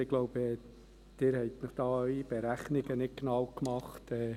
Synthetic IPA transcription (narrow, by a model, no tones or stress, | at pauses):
ɪɡlɔʊbɛː | d̪̥ɪːɾhɛɪt̪nɪχd̥ɑːœɥib̥eɾæχnɪɡənɪt̚kɡnɑwkmɑχtɛː